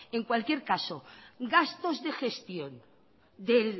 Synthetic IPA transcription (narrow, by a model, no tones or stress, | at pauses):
e̞ŋkwalkje̞ɾkasoɡast̪o̞zðe̞xe̞st̪jo̞n | d̪el